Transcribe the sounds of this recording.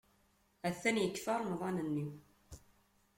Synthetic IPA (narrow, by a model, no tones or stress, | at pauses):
æθːænjəkːfɑɾˤmðˤɑnənːiw